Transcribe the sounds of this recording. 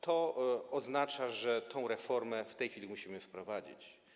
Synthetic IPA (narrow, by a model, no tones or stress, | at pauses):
t̪ʰɔɔznat͡ʂaʐɛt̪ʰɔ̃w̃ɾɛfɔɾmɛft̪ɛjxʲfʲilʲimuɕimɘfpɾɔvad͡ʑḭt͡ɕ